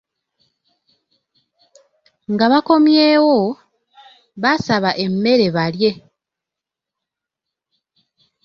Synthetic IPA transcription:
ŋɡaβako̞mjeːwo̞ | βasaβaʔe̞mːe̞ɾe̞βalje̞

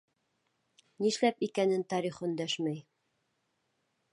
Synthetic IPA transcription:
niʃlæpikænɘnt̪ɑɾiχɵ̆nd̪æʃmæj

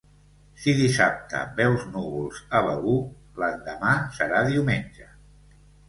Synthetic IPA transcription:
siðisap̚t̪ə̰bɛwznuβulˠz̥ələu | lənd̪əmasəɾaðiwmenʲd͡ʒə

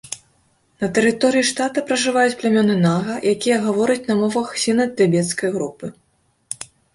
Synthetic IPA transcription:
nɐt̪ɛɾɨt̪ɔɾɨjiʂt̪at̪ɐpɾɐʐɨvajut͡sʲplʲamʲɔnɨnaɣɐjʔakʲijɐɣavɔɾɐt͡sʲnɐmɔvɐxsʲinɐt̪ʲːɛbʲɛt̪skɐjɣɾupɨ

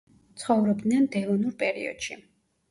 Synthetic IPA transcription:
t̪sʰχɔvɾɔb̚d̪nɛnd̪ɛvɔnuɾpʼɛɾḭɔ̰d̪̥ʃi

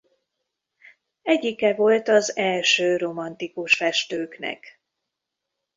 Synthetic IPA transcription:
ɛɟːikɛvo̞lt̪ɒzɛlʃøːro̞mɒnt̪ikuʃfɛʃt̪øːknɛ̰k

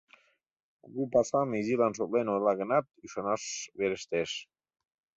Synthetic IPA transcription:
ɡupasamizilanʃ̬ot̪lenolaɣənɑt̪̚yʃanaʃβeɾeʃt̪eʃ

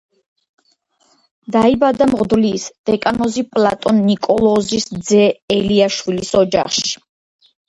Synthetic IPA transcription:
d̪aibad̪amʁd̪vliːsd̪̥ɛkʼanɔzipʼlat̪ʼɔnːikʼɔlˠɔzisd̪zɛɛliaʃwilisɔd͡ʒa̰χʃi̥

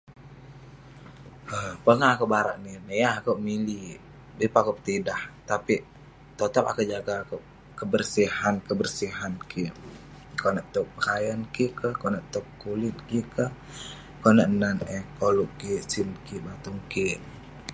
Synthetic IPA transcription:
ʔəmpəŋaːkoʔbaɾa̰ʔninəjaakoʔmili | bepakup̚t̪idaht̪api | t̪ot̪apa̰koʔd͡ʒaɡaːkoʔ | kəbərsihankəbərsiɦankʰi | koʔnaʔt̪ɔk̚pəkajankikəhkoʔnəʔt̪okːulit̪̚kikəh | konəʔnanɛkoluʔkisinkiʔbat̪uŋkiʔ

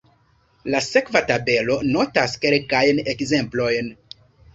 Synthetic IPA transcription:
lase̞kvatabe̞lo̞no̞taske̞lkajne̞kze̞mplo̞jn

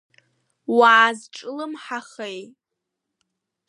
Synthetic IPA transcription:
waːzʈ͡ʂʼlɨmħaχej

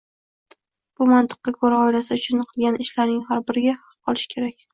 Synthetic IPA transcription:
b̥ʊmant̪ɨ̥qːɑkʰoɾaɒɪlasɪʊt͡ʃʰʊnɨqʰɨlˠɡʲanʔɪʃlaɾnɪŋɦaɾbɪɾɪɡʲahɑq̚qʰɒlˠɪ̥ʃkʲʰe̞ɾakʲ

